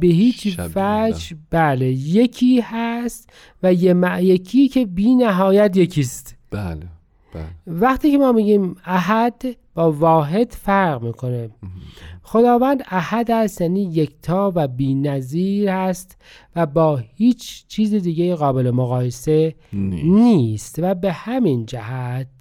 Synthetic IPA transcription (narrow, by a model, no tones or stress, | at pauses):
be̞hiːt͡ʃfæd͡ʒbæːlejecʰiːhæst̪ | væjemjekʰiːcʰe̞biːnæɦɒːjæt̪jecʰiːst̪bl | væχt̪ʰiːcʰemɒːmiːɟiːmæɦæd̪b̥ɒːvɒːɦe̞d̪̥fæɾʁmiːkʰo̞ne | xo̞d̪ɒːvænd̪æhæd̪æst̪jæːniːjekʰt̪ʰɒːvæbiːnæziːɾhæst̪ | væbɒːhiːt͡ʃʰt͡ʃʰiːzid̪iːɟejiɣɒːbe̞lemoɣɒːjese | niːst̪væbe̞hæmind͡ʒæhæt̪̚